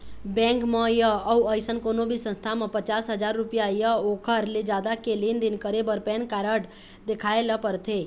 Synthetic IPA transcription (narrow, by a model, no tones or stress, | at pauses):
bɛ̃ŋkməjəəuəjsənkonobʱisə̃nst̪ʰamepət͡ʃasɦəd͡ʒaɾːupijajəokʰəɾled͡ʒad̪akelind̪inkəɾebəɾpɛnkaɾəɽ | d̪ekʰaeləpəɾt̪ʰe